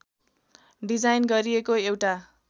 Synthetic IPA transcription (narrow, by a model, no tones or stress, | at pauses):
ɖid͡zajnɡʌɾiekoewʈa